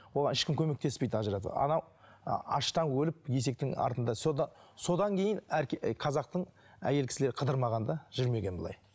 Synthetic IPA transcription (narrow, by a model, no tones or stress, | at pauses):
wo̞lˠɑnɪʃkʲɪmkʲʰɵme̞k̚t̪e̞spejd̪ɪɑʒəɾɑd̪ə̰ɑ̰nɑw | ɑʃt̪ɑnwɵlɪp̚je̞se̞k̚t̪ɪŋɑ̰ɾt̪ənd̪ɑsod̪ɑso̞d̪ɑŋkʲʰe̞jɪnæɾkʲqʰɑzɑq̚t̪əɴ | æ̰jelkʲɪ̥sɪle̞ɾɪqʰəd̪əɾmɑʁɑnd̪ɑʒ̥ʏɾme̞ɡʲe̞nbəlˠɑ̰j